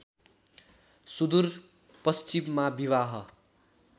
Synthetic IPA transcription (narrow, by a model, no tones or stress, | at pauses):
sud̪ur | pʌst͡ʃimmabiwaɦʌ